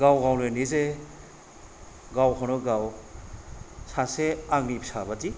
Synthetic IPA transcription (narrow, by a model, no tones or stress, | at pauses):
ɡawɡawlejnize | ɡawhʰɔnɔɡaw | saseaŋnipsabadi